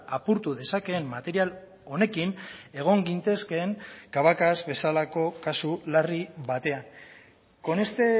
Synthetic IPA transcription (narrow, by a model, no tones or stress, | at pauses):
apuɾt̪uðe̞sake̞ːmːat̪e̞ɾial | o̞ne̞kine̞ɣ̞o̞ŋɡint̪e̞ske̞ːŋkaβ̞akazβe̞salako̞kasulariβat̪e̞an | ko̞nest̪e